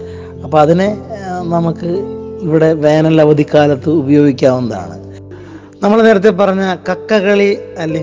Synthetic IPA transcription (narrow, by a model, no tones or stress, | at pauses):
ɐpːoːɐðinenɐmukːɨiʋiɽe̞ʋe̞ːnɐlːɐʋɐd̪ʱikːaːlɐt̪ːɨubɐjo̞ːɡikʲːaːmonɐða̰ːɳɨ̰ | nɐmːɐɭne̞ːɾɐt̪̬ːepɐrɐɲːɐkɐkːɐɣɐɭiɐlːɐ